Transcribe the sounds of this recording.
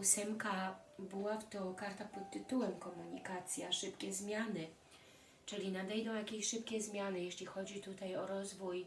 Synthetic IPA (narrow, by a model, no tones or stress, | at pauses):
usɛmkabɘwaft̪ɔkaɾt̪apɔt̪̚tːɘt̪uwɛmkɔmuɲikat̪sʲjaʂɘpkʲɛzmʲjanɘ | t͡ʂɘlʲinad̪ɛjd̪ɔ̃w̃jakʲeɕʂɘpkʲɛzmʲjanɘjeɕlʲixɔd͡ʑit̪ut̪ajɔɾɔzvuj